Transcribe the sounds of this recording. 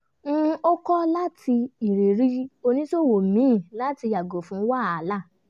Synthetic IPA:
ñ̩˦o˦kɔ˦la˦ti˧i˨ɾe˨ɾi˦o˧nĩ˦so˦˨wo˨mĩ˨˦˨la˦ti˧ja˨ɡo˨fũ˨˦wa˦˨˦la˦˨

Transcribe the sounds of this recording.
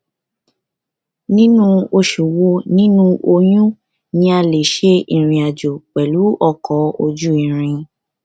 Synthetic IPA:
nĩ˦nũ˦o˧ʃu˨wo˧˦nĩ˦nũ˦ʔo˧jũ˦ | nĩ˧˦a˧le˨ʃe˦i˨ɾ̃ĩ˧a˨d͡ʒo˨k͡pɛ˨lu˨˦ɔ˦˨kɔ˨˦o˧d͡ʒu˦ĩ˨ɾ̃ĩ˧

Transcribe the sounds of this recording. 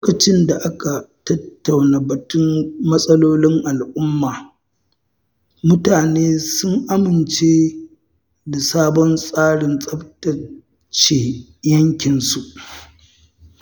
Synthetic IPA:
lo˦kɐ˨t͡ʃɪ˦nda˨ʔa˦ka˨tɐ˦tːa˨wnaː˨bɐ˨tʊ˦mmɐ˦sʼɐ˦loː˦lɪ˦ŋʔa˨lʔʊ˦mːaː˨ | mʊ˦taː˨neː˦sʊ˦ŋʔa˦mɪ˨nt͡ʃeː˦ | da˨saː˦bɔ˦nsʼaː˦ɽɪ˨nsʼɐ˦btɐ˨ | t͡ʃe˨jɐ˦ŋkʲɪ˨nsu˨ʔ

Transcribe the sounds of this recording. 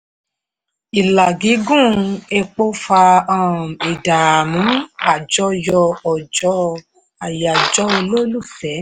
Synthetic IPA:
i˨la˨ɡi˨˦ɡũ˦˨e˧k͡po˦fa˧ã˦˨e˨da˨mũ˨˦a˦˨d͡ʒɔ˦jɔ˧ɔ˨d͡ʒɔ˨˦ | a˨ja˨d͡ʒɔ˨˦o˧lo˦lu˦˨fɛ˨˦

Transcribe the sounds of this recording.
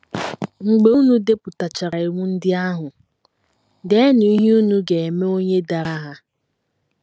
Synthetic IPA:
ŋ͡m̩˨ɡ͡be˦u˦nu˦de˦pʊ˨ta˨t͡ʃa˨ɾa˨i˨ŋʷu˦n̩˦dɪ˦a˦ɦʊ˨ | de˦ni˨i˦ɦu˦nu˦ɡe˨e˨me˦o˦ɲe˦da˨ɾa˦ɦa˦

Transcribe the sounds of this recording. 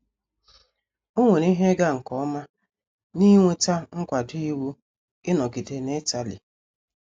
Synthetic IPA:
o˦ŋʷe˨ni˦ɦe˦ɡa˦ŋ̩˨kɔ˦ma˦ | ni˦ŋʷe˦ta˦ŋ̩˦kʷa˨dʊ˦i˦wu˦ | ɪ˦nɔ˨ɡɪ˨de˨ne˦ta˨lḭ˨

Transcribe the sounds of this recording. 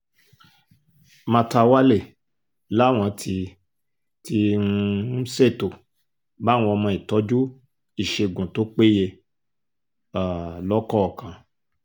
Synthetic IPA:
mã˧ta˧wa˦le˦˨ | la˨˦˨w̃ɔ̃˧tʰi˧ | ti˧˦ | se˦˨to˨ | ba˦w̃ɔ̃˧ɔ˧mɔ̃˧i˨tɔ˨˦d͡ʒu˦ | i˦˨ʃe˧˨ɡũ˨to˦k͡pe˦je˧ | a˨lɔ˦kɔ˦˨kã˨˦

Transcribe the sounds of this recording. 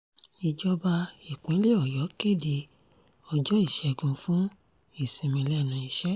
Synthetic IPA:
i˧d͡ʒɔ˧ba˧i˨k͡pĩ˨˦le˦ɔ˨jɔ˨˦ke˦˨di˧ | ɔ˧d͡ʒɔ˦i˦˨ʃɛ˧ɡũ˧fũ˦ | i˦˨sĩ˨mĩ˧lɛ˦˨nũ˨˦i˨˧ʃɛ˦

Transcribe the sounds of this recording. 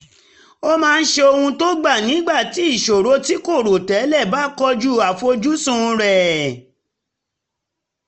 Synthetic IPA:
o˦mãː˦˧n̩˦ʃe˧o˧hũ˧to˦ɡ͡ba˦˨nĩ˨˦ɡ͡ba˦˨ti˨˦i˦˨ʃo˨ɾo˨˦ti˦ko˦˨ɾo˨tɛ˨˦lɛ˦˨ba˦kɔ˧d͡ʒu˦a˨fo˧d͡ʒu˦sũ˦˧ɾɛ˨

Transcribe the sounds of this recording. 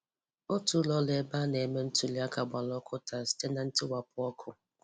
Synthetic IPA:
o˦tu˦lɔ˦le˨ba˦ne˨me˦n̩˦tʊ˦li˦a˦ka˨ɡ͡ba˨lɔ˦kʰʊ˦ta˨si̥˦te˦na˨n̩˦tɪ˦wa˨pʊ˦ɔ˦kʰʊ˨

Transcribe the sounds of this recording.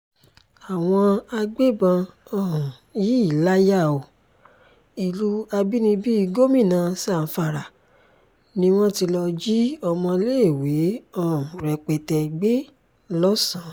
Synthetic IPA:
a˨w̃ɔ̃˧a˧ɡ͡be˦˨bã˧ɔ̃˦˨ji˦i˦˨la˦ja˦˨o˨ | i˨lu˨˦a˧bi˦nĩ˧bi˦i˧ɡo˦mĩ˦˨nã˨˧˦sã˦˨˦fa˧˨ɾa˨ | nĩ˦w̃ɔ̃˦ti˧lɔ˧d͡ʒi˦ɔ˧mɔ̃˧le˦e˦˨we˨˦ɔ̃˦˨ɾɛ˨k͡pɛ˨tɛ˧ɡ͡be˦ | lɔ˦sã˨˦

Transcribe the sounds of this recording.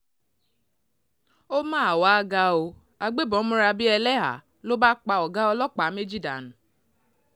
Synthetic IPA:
o˦maː˦˨waː˦ɡa˦o˧ | a˨ɡ͡be˦bɔ˨˦mũ˦ɾa˧bi˦ɛ˧lɛ˦ɦa̰˨ | lo˦ba˦k͡pa˨ɔ˨ɡa˦ɔ˦lɔ˦k͡pa˨˦me˦d͡ʒi˦da̰˨n̩˨

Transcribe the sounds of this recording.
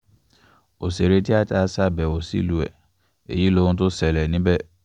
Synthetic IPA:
o˨se˨ɾe˦ti˦a˦ta˦sa˦bɛ˨o˨sḭ˦˨lu˨ɛ̰˨ | ḛ˨ji˨˦lo˧ũ˦t̬o˦sɛ˨lɛ˨nĩ˨˦bɛ˦˨

